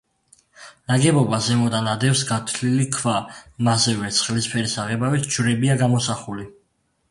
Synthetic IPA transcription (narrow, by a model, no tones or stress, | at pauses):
naɡɛbɔbazɛmɔd̪anad̪ɛfsɡat̪ʰlilikʰvamazɛvɛt̪sʰχlispʰɛɾisaʁɛbawisd͡ʒɾɛbiaɡamɔsaχuli